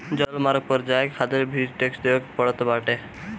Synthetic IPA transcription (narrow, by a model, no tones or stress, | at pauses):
d͡ʑɔlmaɾɡ̚pɔɾd͡ʑajekkʰad̪eɾbʱiɾʈeksd̪eokpɔɽɔt̪obaʈe